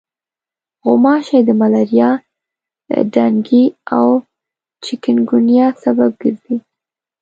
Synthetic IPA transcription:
ɣʊmɑʃajd̪əmalaɾjɑ̰ | ɖaŋɡiaw | t͡ʃɪkɪnɡʊnjɑsabab̚ɡəɾzi

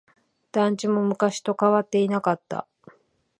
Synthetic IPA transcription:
d̪̥ãɲ̟t͡ɕimo̞mɯ̟kaɕi̥t̪o̞kaβat̪ːe̞inakat̪ːa̰

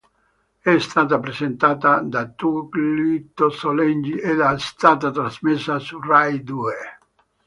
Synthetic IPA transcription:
ɛst̪aːt̪apɾezent̪aːt̪ad̪at̪uklit̪osolɛnd͡ʒiʔed̪ast̪aːt̪at̪ɾazmesːasurajd̪ue

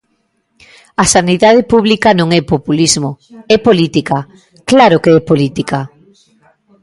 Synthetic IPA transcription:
asaniðað̞epuβlikanõŋɛpopulizmoɛpolit̪ika | klaɾʊkeɛpolit̪ika

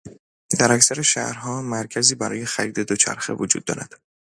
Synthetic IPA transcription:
d̪̥æɾæcsæɾe̞ʃæ̰ʔɾhɒːmæɾcʰæziːbæɾɒːje̞xæɾiːd̪e̞d̪ot͡ʃʰæ̰ɾxe̞̰vod͡ʒṵd̪̚ːɒ̰ːɾæ̰d̪̥

